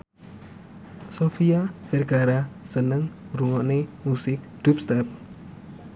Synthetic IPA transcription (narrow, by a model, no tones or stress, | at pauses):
sofiafɛrɡaɾasənəŋruŋɔʔnemusɪk̚d̪̥up̚st̪ɛp̚